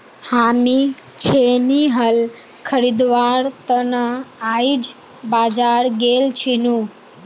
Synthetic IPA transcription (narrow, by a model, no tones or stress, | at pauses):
hami | t͡ʃʰeniɦəl | kʰəɾid̪ʋaɾt̪ənəaid͡ʒ | bad͡ʒaɾɡelt͡ʃʰinũ